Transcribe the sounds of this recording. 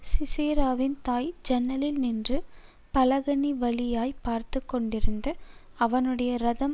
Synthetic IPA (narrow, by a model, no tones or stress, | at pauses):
sɪseːɾaːʋɪnt̪aːjd͡ʒɛnːɐlɪlnɪndrɯ | pɐlɐɣɐniʋɐɭɪjaːjpaːɾt̪ɯkːɔɳɖɪɾɯnd̪ɐ | ɐʋɐnɯɽɐjɐɾɐðɐm